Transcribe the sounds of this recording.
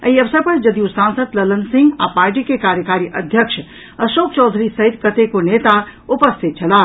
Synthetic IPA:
ə̰iəbsapəɾd͡ʒəd̪ijusãnsəd̪lələnsĩŋɡa̰paɾʈ̬ikekaɾjəkaɾiʔəd̪ʱjəkʃʰ | əʃokt͡ʃɔːd̪ʱɾisəɦit̪kət̪ekonet̪aupəst̪ʰit̪̚t͡ʃʰəla

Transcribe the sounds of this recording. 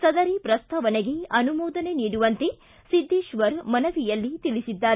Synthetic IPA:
sɐd̪ɐɾipɾɐst̪ʰɐʋɐneɡeɐnumɔːd̪ɐne̞niːɽuʋɐnt̪e | sid̪ʱːeːʃʋɐɾmɐnɐʋijɐlːit̪ilisid̪ːaːɾe

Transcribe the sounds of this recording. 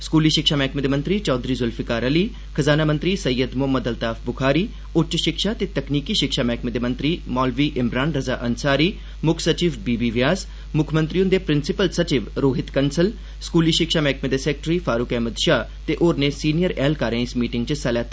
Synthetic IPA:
skuːliːʃɪkʃaːmɛːkʰmeːd̪eːmənt̪ɾiːt͡ʃɔːd̪ɾiːzʊlfʰɪkaːɾəliː | kʰəzaːnaːmə̃nt̪ɾiːsɐjːəd̪mʊɦəməd̪əlt̪aːfʰbʊkʰaːɾiː | ʊʈt͡ʃʃɪkʃaːt̪eːt̪ɐkniːkiːʃɪkʃaːmɛːkʰmed̪eːmɐ̃nt̪ɾiːmɔːlʋiːʔɪmɾaːnɾɐzaːʔɐnsaːɾiː | mʊkʰsət͡ʃiːʋbiːbiːʋjaːs | mʊkʰmə̃nt̪ɾijʊ̃nd̪eːpɾɪnsɪpəlsɐt͡ʃɪʋɾoːɦɪt̪kənsəl | skuːliːʃɪkʃaːmɛːkʰmed̪eːsɛːk̚ʈɾiːfaːɾʊkɛːməd̪ʃaː | t̪eʔoːɾnesiːnijəɾɛːlkaːɾẽɪsmiːʈɪ̃ŋɡt͡ʃəsalɛːt̪a

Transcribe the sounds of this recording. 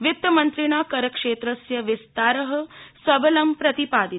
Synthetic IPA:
ʋit̪jɐmɐnt̪ɾiɳ̃aːkɐɾɐkʂeːt̪ɾɐsjɐʋist̪aːɾɐɦɐsɐbɐlɐmpɾɐt̪ipaːd̪i

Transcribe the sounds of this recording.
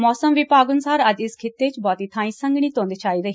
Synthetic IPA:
mɔːsəmʋɪpaːɡʊnsaːɾəd͡ʒɪskʰɪt̪ːeːt͡ʃbɔːt̪iːt̪ʰãːĩːsəŋɡɽ̃iːt̪õːnd̪eːt͡ʃaːiːɾəɦiː

